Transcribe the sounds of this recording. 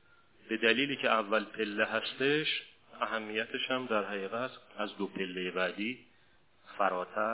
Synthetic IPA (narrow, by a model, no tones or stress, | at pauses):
b̥e̞d̪æliːliːcʰeævːælpʰe̞lːeɦæst̪e̞ʃ | æɦæmːijæt̪ʰeʃhæmd̪æɾɦæɣiːɣæt̪æzd̪opʰe̞lːejebæd̪iː | fæɾɒːt̪ʰæ